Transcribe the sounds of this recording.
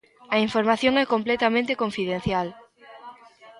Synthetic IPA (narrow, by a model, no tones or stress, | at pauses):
ɐiɱfoɾmaθjõŋɛkomplɛt̪amẽnt̪ekõɱfiðẽn̟θjal